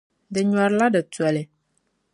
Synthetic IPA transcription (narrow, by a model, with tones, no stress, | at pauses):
dɪ˨ɲɔ˨ɾla˦dɪ˨twɛ˨lɛ˨